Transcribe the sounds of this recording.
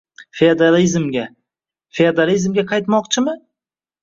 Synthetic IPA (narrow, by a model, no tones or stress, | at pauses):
feod̪alizmɡʲa | fed̪alizmɡʲaqʰɑjt̪mɒqt͡ʃʰɪmɪ